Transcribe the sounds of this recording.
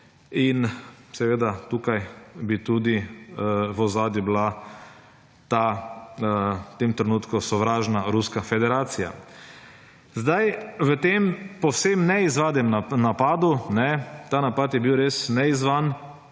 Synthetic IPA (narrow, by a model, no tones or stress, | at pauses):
insɛʋeːd̪at̪uːkajbit̪ud̪i | ʋɔzaːd̪jubla | t̪a | t̪emt̪ɾɛnuːt̪kusɔʋɾaːʒnaɾuskafɛd̪ɛɾaːt̪sija̰ | zd̪ajʋət̪empɔwsemnɛizʋaːd̪ɛmanapaːd̪unɛt̪anapat̪jɛbiwɾesnɛizʋan